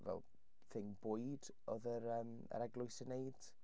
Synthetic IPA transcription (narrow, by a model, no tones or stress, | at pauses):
vɛ̰lˠ | θɪŋbʊjd̥ | ɔðəɾəːm | ə̰ɾɛɡlˠʊɨsənejd̥